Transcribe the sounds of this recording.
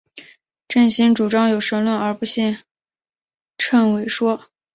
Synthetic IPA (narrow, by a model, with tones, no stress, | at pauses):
ʈ͡ʂə˥˩nɕi˧˥ŋʈ͡ʂu˨˩ʈ͡ʂɑ˥ŋjo˨˩ʊʂə˧˥ŋlwə˥˩nə˞˧˥pu˧˥ɕi˥˧n | ʈ͡ʂʰə˥˩nwe˧˥ɪʂwɔ˥